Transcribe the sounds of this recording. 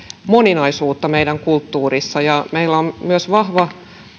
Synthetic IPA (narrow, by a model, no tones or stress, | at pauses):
moninɑisuːt̪ːɑmeijdæŋkult̪ːuːrisːɑjɑmeilːommyøsʋɑhʋɑ